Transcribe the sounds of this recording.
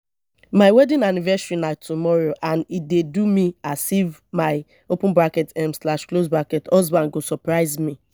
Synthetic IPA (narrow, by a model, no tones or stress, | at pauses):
maɪwɛdĩnanivɛsɹinatumɔɹoʔãnit̚dedumiasivmaɪ | opũnbɹakɛtɛ̃mslaʃklosbɹakɛtɔzbãnɡosɔpɹaɪzmi